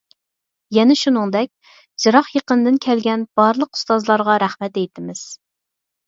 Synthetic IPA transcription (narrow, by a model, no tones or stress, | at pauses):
jɛnɛʃunɨŋd̪ɛk̚ʲ | d͡ʒɨɾɑχjeqənd̪ɪnkʲʰɛlɡʲɛnb̥ɑɾlˠəqu̥st̪ɑzlˠɑɾʁɑɾæχmɛt̪̚ejt̪ʰɪmɪz̥